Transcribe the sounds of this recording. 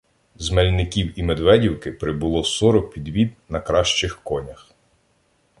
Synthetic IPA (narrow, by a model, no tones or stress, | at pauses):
zmɛlʲnɪkʲiwimed̪ʋɛdʲiwkɪpɾɪbʊlˠɔsɔɾɔk̚pʲid̪ʋʲid̪nɐkɾɑʃt͡ʃɪxkɔnʲɐx